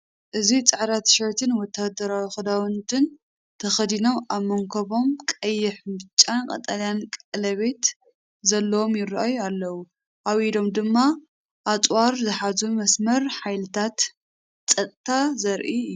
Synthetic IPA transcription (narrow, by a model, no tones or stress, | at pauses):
ʔɨzit͡sʼɨʕɾat̪ʃɐjt̪ʰɨnwɔt̪ʰːad̪ɐɾawixɨd̪awɨnt̪ʰɨn | t̪ʰɐxɐd̪ino̞maβmɐŋkʰɐβo̞mkʼɐjːɪħbɨt͡ʃʼːankʼɐ̰t̪ʼaljankʼɐʕlɐβe̞t̪ | zɐlːɐwomjɪɾʔajualːɐwu | ʔaβid̪o̞md̪ɨmːa | ʔat͡sʼwaɾzɨħazumɐsmɐɾħajlɨt̪ʰat̪ | t͡sʼɐt̪ʼt̪ʰːazɐɾʔiɨjːu